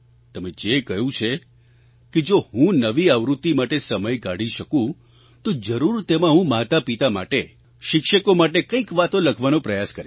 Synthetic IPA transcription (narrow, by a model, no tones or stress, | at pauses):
t̪əmed͡ʒekəɦũt͡ʃʰe | ked͡ʒoɦũnəʋiaʋɾut̪ːimaʈesəməjɡaɽiʃəkũ | t̪od͡ʒəɾuɾt̪emãɦũmat̪apit̪ama̰ʈe | ʃɪkʃəkomaʈekəikʋat̪õləkʰʋanõpɾəjaskəɾi